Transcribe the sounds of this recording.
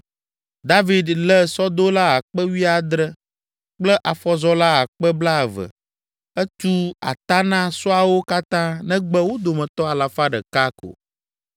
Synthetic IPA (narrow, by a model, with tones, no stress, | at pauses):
d̪a˦vi˦d̪lɛ˦sɔ˦d̪o˦la˦a˨k͡pɛ˦wi˦a˨d̪ɾɛ˦ | k͡plɛ˦ʔa˨fɔ˦zɔ˦la˦a˨k͡pɛ˦bla˦˨və̰˨ | ɛ˦t͡ʃu˦a̰˨t̪a˦nã˦sɔ˦a˨wo˦ka˦t̪ã˦nɛ̃˦ɡ͡bɛ˦wo˦d̪o˨mɛ̃˨t̪ɔ˦a˨la˨fa˦ɖɛ̰˨ka˦ko̰˨